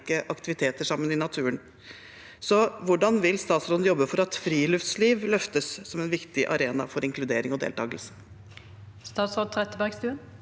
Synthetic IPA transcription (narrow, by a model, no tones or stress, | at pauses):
kəʔɑkt̪ɪʋɪt̪ʰeːt̪əʂɑmːənɪnɑt̪ʰʉːən | sɔʋʊɖɑnʋɪlst̪ɑːt̪sɾoːd̪n̩jɔbːəfɔɾɑt̪fɾiːlʉft̪sliːʋlœft̪əssɔmɛnʋɪkt̪ɪʔɑ̰ɾeːnɑ̰fɔɾɪŋklʉd̪eːɾɪŋɔd̪ḛːlt̪ʰɑːɡəlsə̥ | st̪ɑːt̪sɾoːd̪̚t̪ʰɾɛt̪ːəbæʁɡst̪ʉːən